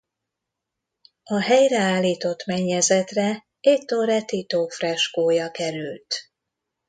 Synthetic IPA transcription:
ɒɦɛjrɛaːlːiːt̪o̞t̪mɛɲːɛzɛt̪rɛ | et̪ːoːɾɛt̪it̪oːfrɛʃkoːjɒkɛɾylt̪

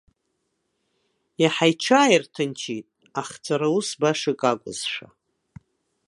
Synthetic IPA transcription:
jaħajʈ͡ʂʰaːjirtʰɨnt͡ʃʰitʼ | aχt͡sʰʼaɾausbaʂɨkʼakʷʼʊ̰z̥ʂa

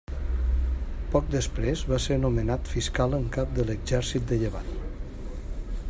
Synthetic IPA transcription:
pɔk̚d̪əspɾezβaseɾnumənat̪fiskaləŋkap̚d̪ələɡzɛɾsit̪̚d̪əʎəβa̰n

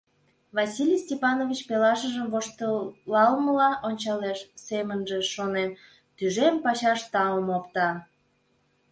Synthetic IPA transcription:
vɑsʲilʲijsʲtʲepɑnovʲit͡ɕpelɑʃəʒəmvoʃt̪əlɑlməlɑʔonʲt͡ɕɑleʃsemənʒeʃonem | t̪yʒempɑɕɑʃt̪ɑəmopt̪ɑ

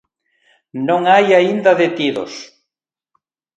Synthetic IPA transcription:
nõŋajaind̪aðet̪iðo̰s

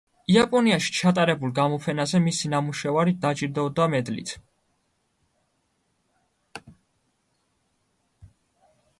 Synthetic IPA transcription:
iapʼɔniaʃi̥t͡ʃʰat̪ʼaɾɛbulˠɡamɔpʰɛnazɛmisinamuʃɛvaɾid̪ad͡ʒiɾd̪aɔd̪amɛd̪lḭt̪ʰ

